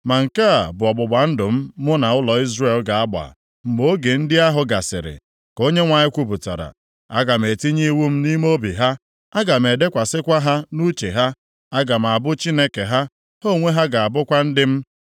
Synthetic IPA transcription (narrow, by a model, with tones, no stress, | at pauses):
ma˨ŋ̩˨ka˦a˨bʊ˨ɔ˨ɡ͡bʊ˨ɡ͡ba˨n̩˦dʊ˨m̩˦mʊ˦na˨ʊ˦lɔ˨i˦zre˦˨lɡa˨a˦ɡ͡ba̰˨ | m̩˨ɡ͡bo˦ɡe˨n̩˦dɪ˦a˦ɦʊ˨˦ɡa˨sɪ̰˨ɾɪ̰˨ | ko˦ɲe˦ŋʷa˨ɲɪ˦kʷu˦pu˨ta̰˨ɾa̰˨ | a̰˦ɡa˨m̩e˨ti˦ɲi˦wu˦m̩˦ni˦m˦o˦bi˨ɦa˦ | a˦ɡa˨m̩˨e˨de˦kʷa˨sɪ˦kʷa˦ɦa˦nu˦t͡ʃe˨ɦa˦ | a˦ɡa˨m̩˨a˨bʊ˦t͡ʃi˦ne˦ke˨ɦa˦ | ho˦˨ŋʷe˦ɦa˦ɡa˨a˨bʊ˦kʷa˦n̩˦dɪ˦m̩˦